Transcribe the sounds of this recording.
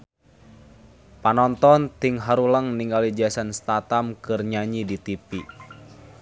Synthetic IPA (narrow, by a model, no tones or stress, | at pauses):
panɔnt̪ɔnt̪iŋɦaɾuləŋniŋɡalid͡ʒasanst̪at̪amkɨrɲaɲidit̪ipi